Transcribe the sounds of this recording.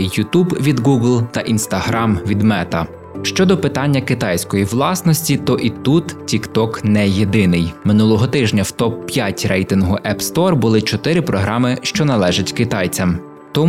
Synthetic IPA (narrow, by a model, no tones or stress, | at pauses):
jʊt̪ubʋʲid̪ɡuɡlˠt̪ɐʔinst̪ɐɦɾɑmʋʲid̪mɛt̪ɐ | ʃt͡ʃɔd̪ɔpɪt̪ɑnʲːɐkɪt̪ɑjsʲkɔjiʋlˠɑsnɔsʲtʲit̪ɔʔit̪ut̪tʲikt̪ɔknɛjed̪ɪnɪjmɪnulˠɔɦɔt̪ɪʒnʲɐwt̪ɔpːjatʲɾɛjt̪ɪnɦʊʔɛpst̪ɔrbʊlˠɪt͡ʃɔt̪ɪɾɪpɾɔɦɾɑmɪʃt͡ʃɔnɐlˠɛʒɐtʲkɪt̪ɑjt͡sʲɐm | t̪ɔ